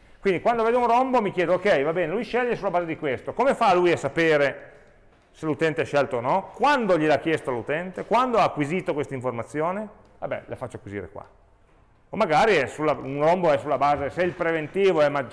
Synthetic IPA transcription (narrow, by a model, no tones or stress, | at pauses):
kwind̪ikwand̪oveːd̪ounrombomikjɛːd̪ookɛjvabɛːnelujʃɛʎːesulabaːzed̪ikwest̪okomefalujasapeːɾe | selut̪ɛnt̪eɛʃːɛlt̪oːnɔkwand̪oʎilakːjɛst̪oalut̪ɛnt̪ekwand̪oaːkːwiziːt̪okwest̪aiɱformat̪sːjoːne | va̰bːɛ̰lefat͡ʃːoakwizḭːɾḛkwa̰ | omːaɡaːɾiɛsulːaunromboɛsulːabaːzesɛilpɾevent̪iːvoɛmad͡ʒ